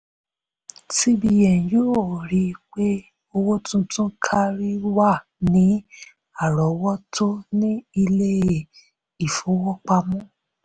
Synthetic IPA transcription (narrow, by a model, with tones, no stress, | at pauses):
ti˦bi˧jɛ˨n˨joː˦˨ɾi˨˦k͡pe˦ | o˧wo˦tũ˦tũ˦kʰa˦ɾi˦wa˦˨ | nĩ˨˦ | a˦˨ɾɔ˨˦wɔ˦tʰo˦nĩ˦i˧le˦e˨ | i˨fo˨˦wɔ˦k͡pa˧mɔ̃˦